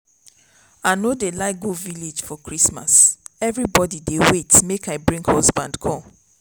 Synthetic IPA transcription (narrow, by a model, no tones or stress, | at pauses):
aɪnodelaɪk̚ɡuviled͡ʒfɔkɹisma̰sɛvɹibɔdidewetmekaɪbɹĩŋkhɔzbãndkʰɔ